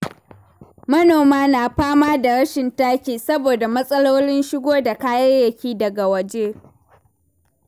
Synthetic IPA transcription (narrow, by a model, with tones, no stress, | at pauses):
mɐ˦noː˨maː˦naː˨ɸaː˦maː˦da˨ɾɐ˦ʃɪ˨ntaː˦kʲiː˨sɐ˦boː˨da˨mɐ˦sʼɐ˦loː˦lɪ˦nʃɪ˦ɡʷoː˦da˨kaː˦jɐ˦rjɐ˨kʲiː˦dɐ˨ɡa˨wɐ˨d͡ʒeː˦